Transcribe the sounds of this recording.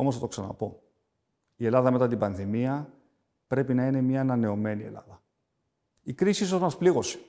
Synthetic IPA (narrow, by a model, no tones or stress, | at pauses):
o̞mosθɐt̪o̞ksɐnɐ̰po̞ | ie̞lɐðɐme̞t̪ɐt̪̬ibɐnðimiɐ | pɾe̞pinɐine̞mɲɐːnɐne̞o̞me̞nie̞̰lɐ̰ðɐ | ikɾisiisonɐspliɣo̞se̥